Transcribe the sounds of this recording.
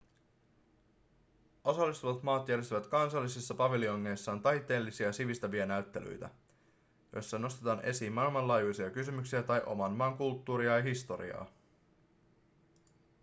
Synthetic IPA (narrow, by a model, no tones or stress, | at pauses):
ʔo̞sɑlːist̪uʋɑt̪mɑːt̪jæɾjest̪yʋæt̪kɑnsɑlːisisːɑpɑʋilio̞ŋːe̞jsːɑːnt̪ɑjt̪ːˑe̞ːlːisiæsiʋist̪ɑʋiɑnæɥt̪ːe̞ly̰jt̪æ̰ | jo̞̰jsːɑno̞st̪e̞t̪ɑːne̞siːmmɑlmɑlɑːjujsiɑkysymyksiæt̪ɑjʔo̞̰mɑnmɑːŋkult̪ːuːɾiɑjɑɦist̪o̞ɾḭɑ̰ː